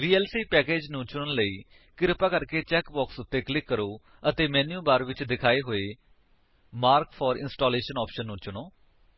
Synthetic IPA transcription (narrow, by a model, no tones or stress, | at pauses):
ʋiːɛːlsiːpɛːkeːd͡ʒnũːt͡ʃʊɳənləiː | kɪɾɪpaːkəɾkeːt͡ʃɛːkbɔːksʊt̪ːeːklɪkːəɾoː | ət̪eːmɛ̃ːnjũːbaːɾʋɪt͡ʃd̪ɪkʰaːeːɦoːeː | maːɾkfʰɔːɾɪ̰nsʈoːleːʃənɔːpʃənːũːt͡ʃʊɳoː